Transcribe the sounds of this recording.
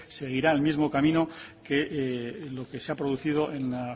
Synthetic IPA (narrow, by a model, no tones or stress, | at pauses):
se̞ɣ̞iɾaelmizmo̞kamĩnoke̞ʔlo̞ke̞seapɾo̞ð̞uθiðo̞ʔe̞nla